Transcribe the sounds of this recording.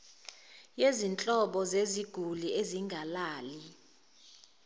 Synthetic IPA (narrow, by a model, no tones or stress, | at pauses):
jezint͡ɬʼɔɓɔzeziɡ̥ʱulieziŋɡʱalaːli